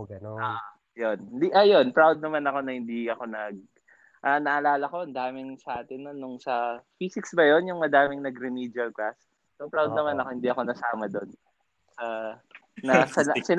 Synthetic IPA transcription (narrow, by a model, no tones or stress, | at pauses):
ɡɐnoaʔ | jonɪnd̪iʔɐjo̞npɾawd̪̚nɐmanɐko̞nɐhɪnd̪iɐko̞nɐɡ̚ | ʔɐnɐʔɐlaːlɐko̞ʔɐnd̪aːmɪŋsɐʔaːt̪ɪnːɐnʊŋsɐfisɪksbɐjo̞njʊŋmɐd̪aːmɪŋnɐɡɾɪmiːd͡ʒɐlklas | sopɾawd̪nɐmanɐko̞hɪnd̪iɐko̞nɐsaːmɐd̪o̞n | sɐ | nɐsɐsɪ